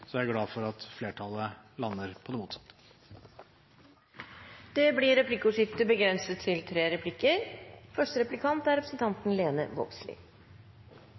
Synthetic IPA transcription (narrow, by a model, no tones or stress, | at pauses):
sɔææɾɡlɑːfɔɾɑt̪fleːʈʰɑlə | lɑnːəɾpʰɔd̪ɛmuːt̪sɑ̥t̪ːə̥ | d̪̥ɛbliɾɛpʰlɪkːuːʂɪft̪əbəɡɾɛnsət̪ʰːɪlt̪ʰɾeːɾɛpʰlɪkːəɾfœʂʈəɾɛplɪkʰɑnt̪æɾɛpɾəsən̩t̪ʰɑnt̪n̩leːnə̰ʋɔ̰bslɪ̰ː